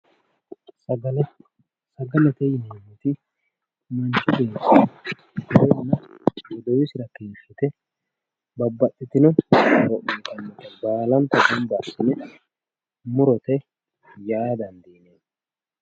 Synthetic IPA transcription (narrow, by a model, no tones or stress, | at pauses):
sl | sɐɡɐlɛt̪ɛjɪnemːɛt̪ɪ | mɐnt͡ʃːʊdeːnsɐ | dɪɾɛsnɐ | jɔd̪ɔwɪsɪɾɐkeːfːɪt̪ɛ | bɐbːɐtʼːɪt̪ɪnɔɐɾɔʔiːkʼɐnːɔt̪ɐbaːlɐnt̪ɐɡʊmbasɪnɛ | mʊɾɔt̪ɛ | jaːd̪ɐnd̪iːneː